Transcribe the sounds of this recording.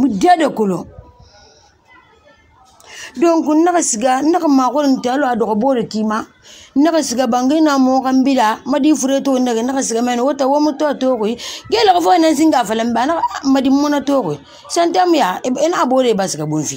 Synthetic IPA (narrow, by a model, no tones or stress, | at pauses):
mudadakolo | doŋkunnaksiɡanaamakoɾin̩taloadokboɾakima | nakasiɡabaŋɡinamukambidamadifuɾetouneɡinakasiɡamanowotawomutotokuiɡelakufonans̬iŋɡafalambanamadimonatokui | santamujanaaboːɾebasiɡabonfi